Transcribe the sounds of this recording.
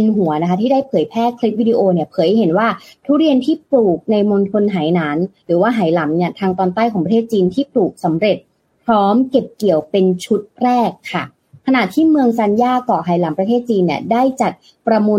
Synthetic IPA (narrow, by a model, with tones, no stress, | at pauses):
nɦu˨˩˦ɐna˧˥kʰa˦˥t̪ʰiː˥daː˥˩jpʰɤː˩˦jpʰɛː˥˩kʰli˦˥p̚wiː˧diː˧ʔoː˧ni˥˩ɐpʰɤː˩˦jɦe˩˦nwaː˥˩t̪ʰuː˥˩ɾi˧ənt̪ʰiː˥˩p̚luː˨˩k̚na˧jmo˧nt̪ʰo˧nɦaː˩˦jnaː˩˦nɾɯː˩˦waː˥˩ɦaː˩˦jla˩˦mni˥˩ɐt̪ʰaː˧ŋt̪ɔː˧nt̪aː˥˩jkʰɔː˩˦ŋpɾt̪ʰeː˥˩t̪̚t͡ɕiː˧nt̪ʰiː˥˩pluː˨˩k̚sa˩˦mɾe˨˩t̪̚ | pʰɾɔː˦˥mke˨˩p̚ki˨˩əwpe˧nt͡ɕʰu˦˥t̪̚ɾɛː˥˩kʰːa˥˩ | kʰa˧na˨˩t̪ʰiː˥˩mɯ˧əŋsa˧njaː˥˩kɔː˨˩ɦaː˩˦jla˩˦mpɾa˧t̪ʰeː˥˩t̪̚t͡ɕiː˧nːi˥˩ɐdaː˥˩jt͡ɕa˨˩t̪̚ | pɾa˧mu˧